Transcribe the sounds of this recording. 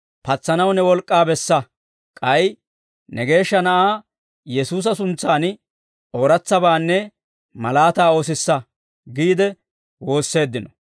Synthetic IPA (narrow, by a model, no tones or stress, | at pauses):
pɐt͡sːɐnɐwnɛwɔlkʼːaːbɛsːɐ | kʼɐj | nɛɡe̞ːʃːɐnɐʔaː | jɛsuːs̬ɐsʊnt͡sːaːn | oːɾɐt͡sːɐbaːnːɛ | mɐlaːt̪aːoːs̬ɪsːɐ | ɡiːd̪ɛ | wo̞ːsːe̞ːd̪ːɪnɔ